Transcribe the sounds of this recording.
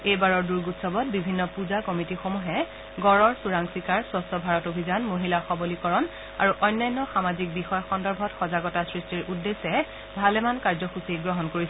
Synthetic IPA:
ejbaɹɔɹduɹɡutsɔbɔt̚bibʱinːɔpuzakɔmitixomuɦɛ | ɡɔɹɔɹsuɹaŋsikaɹsɔstɔbʱaɹɔtobʱizanmoɦilaxɔbɔlikɔɹɔn | a̰ɹuʔɔjnːajnːɔxamazik̚bixɔjɔxɔndɔɹbʱɔtxɔzaɡɔtasɹistiɹʔudːesɛ | bʱalɛmankaɹzɔxusiɡɹɔɦɔnkoɹisɛ

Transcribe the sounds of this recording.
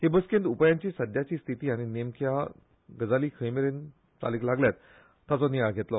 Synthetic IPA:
ɦebəskẽnt̪upjãɲt͡ɕiːsəd̪ʱjat͡ɕiːst̪ʰit̪iːaɽ̃inemkʰja | ɡəd͡zaliːkʰəjmeɾen | t̪a̰liklaɡljat̪ː | at͡sɔnijajɡʱet̪lɔ

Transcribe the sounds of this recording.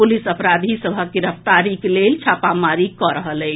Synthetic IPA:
pulisəpɾad̪ʱisəbʱəkiɾəpʰt̪aɾikelelt͡ʃʰapamaɾikɔɾəɦəlɛ

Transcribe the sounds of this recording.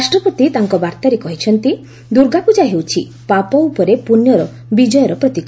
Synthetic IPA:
ɾasʈɾɔpɔt̪it̪aŋkɔbaɾt̪aɾekɔɦit͡ʃʰɔnt̪i | d̪uɾɡapud͡ʒaɦewt͡ʃʰi | papɔupɔɾepunjɔɾɔ | bid͡ʒɔjɔɾɔpɾɔt̪ikɔ

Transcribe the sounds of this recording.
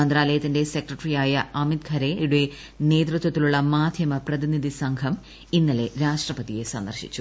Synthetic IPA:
ɐnd̪ɾaːlɐjɐt̪ːinde̞se̞krɐʈrijaːjɐɐmid̪̚kʰɐɾe̞iɽue | ne̞ːd̪rɨt̪wɐt̪ːiluɭːɐmaːd̪ʱjɐmɐprɐðiniðisɐŋɡʰʱɐm | inːɐle̞ɾaːʂʈrɐpɐðije̞sɐnd̪ɐrɕḭt͡ɕːu

